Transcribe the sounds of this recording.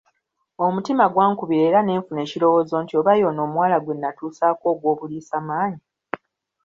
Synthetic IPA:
o̞mutimaɡwaːŋkuβiɾe̞ːɾane̞ːɱfune̞ːcilo̞wo̞ːzo̞ːntio̞βajo̞ːno̞ːmwaːlaɡwe̞nːatuːsaːko̞ːɡwo̞ːβuliːsamaːɲi

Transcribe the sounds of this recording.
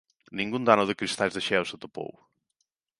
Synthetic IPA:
nĩŋɡũnd̪anʊðɨkɾist̪ajzðɐʃɛwsɐt̪opo̰w

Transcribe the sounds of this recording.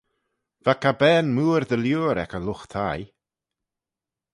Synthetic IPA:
v̥akʰabɛːnmuːɾðəljuːɾɛ̰kəlʊxt̪ʰaj

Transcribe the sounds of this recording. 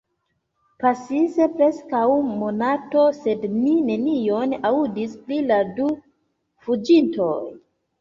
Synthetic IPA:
pasisepɾe̞skawmo̞nato̞se̞dnine̞nijo̞naudispliladu | fud͡ʒinto̞̰j

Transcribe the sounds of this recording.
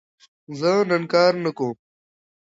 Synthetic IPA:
zənɐnkaːɾnɐkõː

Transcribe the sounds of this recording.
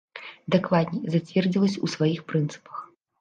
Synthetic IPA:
d̪ɛkvad̪nʲɛzat͡sʲvʲɛrd͡zʲilˠɐsʲusvajixpɾɨnt̪sɨ̥pɐ̥x

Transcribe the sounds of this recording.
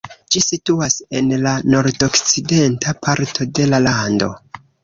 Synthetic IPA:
d͡ʒisituase̞nlano̞ɾdokt͡side̞ntapʰaɾtʰo̞de̞lalando̞̰

